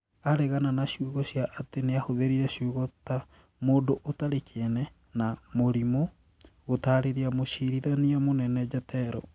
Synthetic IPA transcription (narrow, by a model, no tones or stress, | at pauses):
aɾɛɣananaɕjuːɣɔɕjaʔːteneahoðeɾiɾɛʃuɣɔta | moːndoʔotaɾekʰenɛ | namoɾimo | ɣotaːɾeɾiamoʃiɾiðaniamonɛnɛd͡ʒatɛɾɔ̰